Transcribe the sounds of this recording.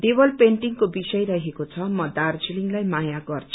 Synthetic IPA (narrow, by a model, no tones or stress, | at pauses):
d̪ebʌlpeɳʈiŋkobisʌjɾʌɦekot͡sʰʌmʌd̪ard͡ziliŋlajmajaɡʌrt͡sʰu̥